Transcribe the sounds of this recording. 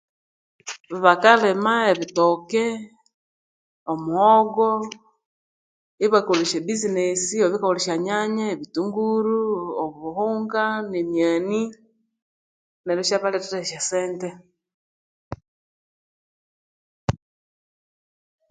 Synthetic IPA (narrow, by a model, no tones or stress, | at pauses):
βiβakalemaeβitoke | omuhoɡo | iβakoliʃebizinesioβikaoliʃaɲaɲaeβituŋɡuɾuoββuhuːŋɡanemjaːni | neɾuʃaβaleteɾeʃaseːnte